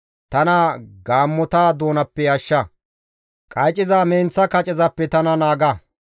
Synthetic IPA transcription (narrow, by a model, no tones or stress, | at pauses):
t̪ɐnaːɡaːmːɔt̪aːd̪o̞ːnɐpːɛjɐʃːɐ | kʼɐjt͡ʃʼɪzaːmeːnt͡sːɐkɐt͡ʃʼɪzɐpːɛt̪ɐnɐnaːɡɐ